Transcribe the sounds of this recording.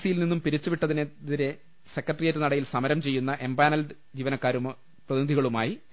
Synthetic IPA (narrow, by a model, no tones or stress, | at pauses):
sijilninːumpiɾit͡ɕːuʋiʈːɐðineðiɾe̞ | se̞kːrɐʈːrijetːɨnɐɽɐjilsɐmɐɾɐmt͡ɕe̞jːunːɐʔe̞mbaːnɐlɖɨ | d͡ʑiːʋɐnɐkːaːɾum | prɐðinid̪ʱiɣɐɭumaːji